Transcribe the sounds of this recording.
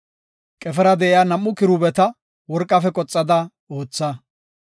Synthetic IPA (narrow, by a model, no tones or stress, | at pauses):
kʼɛfɛɾɐd̪ɛʔɪjaːnɐmːʊkɪɾʊbɛt̪ɐ | wɔɾkʼːɐfɛkʼɔt͡sʼːɐd̪ɐ | o̞ːt͡sːɐ